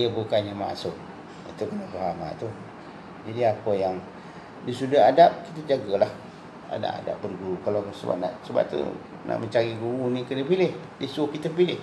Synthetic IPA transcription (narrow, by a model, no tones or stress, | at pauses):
iəbukaɲama̰ʔsʊk̚ | it̪ukənafaɦama̰t̪u | d͡ʒadiapəjaŋ | disudaɦadap̚kit̪ad͡ʒaɡalah | a̰da̰ʔa̰da̰p̚bərɡuɾukalasəba̰p̚naʔsəba̰ʔ̚t̪ṵ | na̰ʔməɲt͡ʃaɣiɡuunikəlipilɪhdisuokit̪əpilɪh